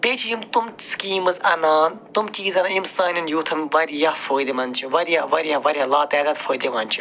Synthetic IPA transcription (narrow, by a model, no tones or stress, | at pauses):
peːt͡ʃʰid͡ʒimt̪umskiːmɨzɐnaːnt̪umt͡ʃiːzɐnɐimsaːnʲɐnjuːt̪ʰɐnʋɐɾijɐfoːjd̪imɐnt͡ʃʰuʋɐɾijaʋɐɾijaʋɐɾʲjalaːt̪aːd̪ɐt̪fʰoːjd̪iʋɐnt͡ʃʰu̥